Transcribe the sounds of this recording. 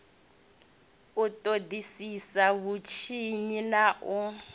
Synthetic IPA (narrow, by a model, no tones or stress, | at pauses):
utʼodisisaβut͡ʃʰiɲinaʔɔ